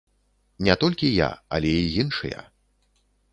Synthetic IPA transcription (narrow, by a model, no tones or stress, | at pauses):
nʲɛt̪ɔlʲkʲija̰ɐ̰lʲɛijinʂɨ̰jɐ̰